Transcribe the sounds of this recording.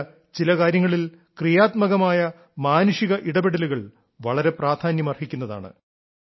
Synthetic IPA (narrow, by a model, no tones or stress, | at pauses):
t͡ɕilɐkaːɾjɐŋːɐɭil | krijaːt̪mɐɣɐmaːjɐ | maːnuʂiɣɐʔiɽɐbeɽɐluɣɐɭ | ʋɐɭɐɾe̞praːd̪ʰʱaːnjɐmɐrhikʲːunːɐða̰ːɳɨ̰